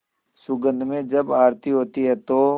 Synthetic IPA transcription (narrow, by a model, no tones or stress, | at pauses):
sʊɡə̃nd̪ʱmẽd͡ʒɐbaːɾt̪iɦoːt̪iɦɛt̪o